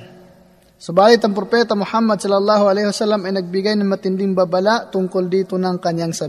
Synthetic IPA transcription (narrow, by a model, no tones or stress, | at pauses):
subalɪt̪aŋpɾopɛt̪amuħamːad̪̚sɔlalːaɦualɛjhwasalːamɐjnɐɡ̚biɡajnaŋmat̪indɪŋbabalaʔt̪uŋkʊldit̪unaŋkanjaŋsa